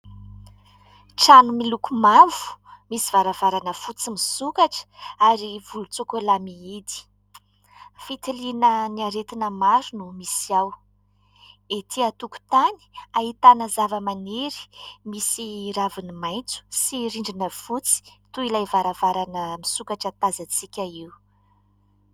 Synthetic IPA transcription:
ʈ͡ʂanumilukumavu̥misivaɾavaɾanəfut͡simisukaʈ͡ʂə̥aɾivulut͡sokolamiid̪i̥ | fit̪ilinəniaɾet̪inəmaɾunumisiaw | et̪ʰiat̪uku̥t̪ani̥aɦit̪anəzavəmaneɾi̥misiɾavinimajnt͡su̥siɾiɳɖ͡ʐinəfut͡si̥t̪uilajvaɾavaɾanəmisukaʈ͡ʂət̪azat͡sikʲaiw

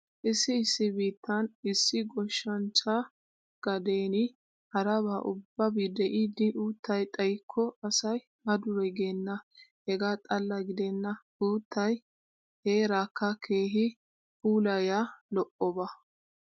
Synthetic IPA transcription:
ʔɪsːɪːsːɪbiːt̪ːɐnɪsːɪɡɔʃːɐnt͡ʃːa | ɡ̥ɐd̪eːnɪ | hɐɾɐβaːʔʊbːɐbid̪ɛʔid̪ɪʔuːt̪ʰːɐjt̪ʼɐjkʰːɔɐsɐj | mɐd̪ʊɾɛɡenːɐhɛɡaːt̪ʼɐlːɐɡɪd̪ɛnːɐ | uːt̪ːɐj | heːɾaːkːɐkʰe̞ːɦɪ | puːlɐjalɔʔɔbɐ

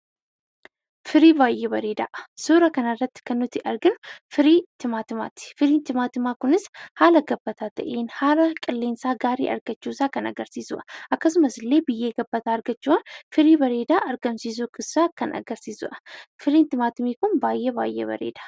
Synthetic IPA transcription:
fɪɾiːbaːjebɐɾeːd̪a̰ʔsuːɾɐkɐnɐrːɐt̪ːkɐnːʊt̪iʔɐɾɡɪnfɪɾiːt̪ʰɪmaːt̪ɨma̰ːt̪ɪ̥fɨɾiːnt̪ɪmaːt̪ɨmaːkʊnɪshaːlɐɡɐbːɐt̪ʰat̪ɐ̰ʔenhaːlɐkʼɪlːeːnsaːɡaːɾḭːʔɐ̰ɾɡ̥ɐt͡ʃːusakɐnɐ̰ɡɐɾsiːzṵʔa̰ʔɐkːɐsʊmɐsɪlːeːbɪjːeːɡɐbːɐt̪aɐɾɡɐt͡ʃːuanfɨɾiːbɐɾeːd̪aʔɐɾɡɐmsizukʼɨsaːkʰɐnɐ̰ɡɐɾsiːzṵʔɐfɨɾiːnt̪ɪmaːt̪ɪmeːkʊnbaːjːeba̰ːjːḛbɐ̰ɾḛːd̪ḁ

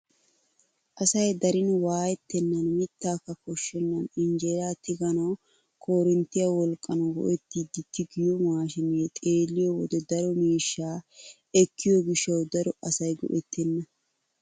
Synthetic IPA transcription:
ʔɐsɐjd̪ɐɾɪnwaːjɛt̪ːɛnːɐnmɪt̪ːaːkːɐkɔʃːɛnːɐnɪnd͡ʒeːɾaːt̪ɪɡɐnɐw | kʰoːɾɛnt̪ːɪjɐwɔlkʼːɐnɐɡɔ̰ʔɛt̪ːid̪ɪt̪ːɪɡɪjɔmaːʃɪmet̪ʼeːlːɪjɔwɔd̪ɛd̪ɐɾɔmiːʃːaː | ɛkʰːɪjɔɡɪʃːɐwd̪ɐɾɔɐsɐjɡɔ̰ʔɛt̪ʰːɛnːɐ

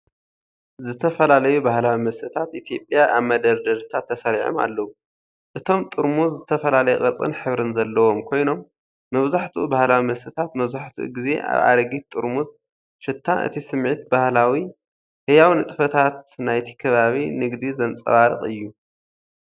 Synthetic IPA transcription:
zɨt̪ʰɐfɐlalɐjubahlawimɐst̪ʰɨt̪ʰat̪ʔit̪ʰijo̞pʼjaʔaβmɐd̪ɐɾd̪ɐɾt̪ʰat̪ʰːɐsɐɾiʕo̰ma̰lːɐwu | ʔɨt̪ʰo̞mt̪ʼɨɾmuzɨt̪ʰɐfɐlalɐjɛχʼɐt͡sʼɨ̰nħɨβɾɨnzɐlːɐwo̞mkʰo̞jno̞mː | ɐβzaħt̪ʰubahlawimɐst̪ʰɨt̪ʰat̪mɐβzaħt̪ʰṵɡize̞̰ʔa̰βa̰ɾɐɡit̪ʼɨɾmut̪̚ | ʃɨt̪ʰːaʔɨ̰t̪ʰisɨmʕit̪̚bahlawi | hɨjawnɨt̪ʼɨfɐt̪ʰat̪najt̪ʰi̥kʰɐβaβinɨɡd̪izɐnt͡sʼɐ̰βaɾɨ̰χʼɨjːu

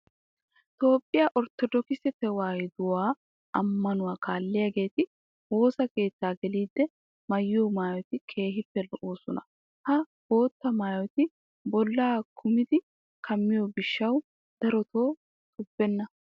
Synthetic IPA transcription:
t̪o̞ːpʼːɪjaːʔɔɾt̪ːɔd̪ɔkɪsɛfɛwaːjd̪ʊwaː | ɐmːɐnʊwaːkaːlːɪjaɡe̞ːt̪ɪ | wo̞ːsɐke̞ːt̪ːaːɡɛliːd̪ːɛ | mɐjːoːmaːjɔt̪ɪkʰe̞ːɦɪpːɛlɔʔoːsɔnɐ̰ | hɐ | b̥o̞ːt̪ːɐmaːjɔt̪ɪ | bɔlːaːkʰʊmɪd̪ɪ | kʰɐmːɪjoːbɪʃːɐw | d̪̥ɐɾɔt̪o̞ː | t̪ʰʊbːɛnːɐ

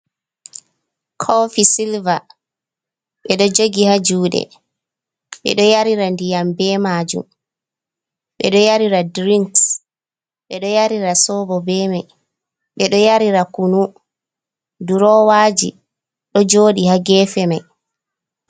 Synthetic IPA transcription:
kʰɔfisilva | ɓɛɗɔd͡ʒoɡihad͡ʒuːɗɛ̰ | ɓɛ̰ɗɔjaɾiɾandijambɛmaːd͡ʒṵm | ɓɛɗɔjaɾiɾadɾiŋks | ɓɛɗɔjaɾiɾasɔbɔbɛːmaj | ɓɛɗɔjaɾiɾakunu | duɾɔwaːd͡ʒḭ | ɗɔd͡ʒoːɗihaɡɛːfɛmaj

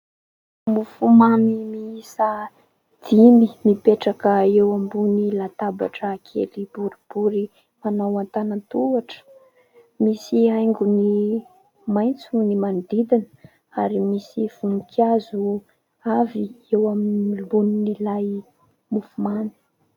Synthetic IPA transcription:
mufumanimiisa | d̪̥imimipeʈ͡ʂakəewambunilat̪aba̰ʈ͡ʂəːkʰḛlibuɾib̥uɾi | manawant̪anənt̪uaʈ͡ʂə̥ | misiajŋɡuni | majnt͡sunimand̪id̪inə | aɾimisiv̥umikʰazu | aviewamiibuninilaj | mufumani̥

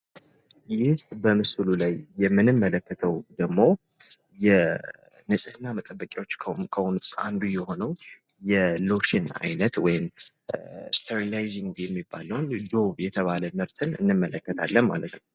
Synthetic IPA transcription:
jɪhbəmɨslulajːɛmːɨnɨmːələkːət̪ʰəwd̪əɡmo̞ | jɛ | nɨsʼɨnːamət̪ʼəbːəkʼawo̞t͡ʃːʰkʰəwunt̪ʼa̰nd̪ujɛho̞nəw | jɛlo̞ʃina̰jnət̪wɔjɪm | st̪ʰeɾilajziŋɡjɛmːibːa̰ləwnd̪o̞βjɛt̪ʰəβaləmɨɾt̪ʰɨnɨ̰nːɨmːələkːət̪ʰa̰lːənma̰lət̪nəw

